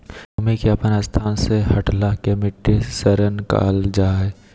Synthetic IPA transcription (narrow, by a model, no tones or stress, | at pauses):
ʊmẽkiɐpənast̪ʰaːnsehɐʈlakemɪʈːesəɾənka̰ːld͡ʒaːɦɛː